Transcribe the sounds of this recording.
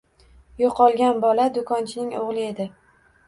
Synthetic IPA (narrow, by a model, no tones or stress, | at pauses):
joqʰɒlˠɡʲanbɒlad̪ʊkʰɒnt͡ʃʰɪnɪŋoʁlˠɪe̞d̪ɪ